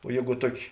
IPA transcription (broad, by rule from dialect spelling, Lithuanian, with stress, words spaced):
oː ˈjeːɡʊ ˈtuɔˌkʲɪ